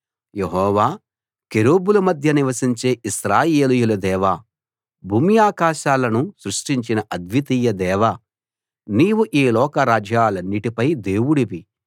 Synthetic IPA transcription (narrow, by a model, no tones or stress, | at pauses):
jeɦɔːʋaː | keɾoːbulumɐd̪ʱjɐniʋɐsiɲt͡ʃe̞ːʔiʃɾaːjeːlujulɐd̪ɛːʋaː | bʱuːmijaːkaːʃaːlɐnusɾuʂʈiɲt͡ʃinɐʔɐd̪ʋit̪iːjɐd̪ɛːʋa | niːwuʔiːlɔːkɐɾaːd͡ʒaːlɐnːiʈipɐjd̪eːwuɽiʋi